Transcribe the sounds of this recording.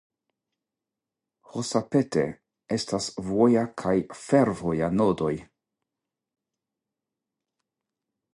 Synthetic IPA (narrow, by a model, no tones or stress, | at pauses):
hosape̞te̞̰ | e̞stasvojakʰajfe̞ɾvo̞janodo̞j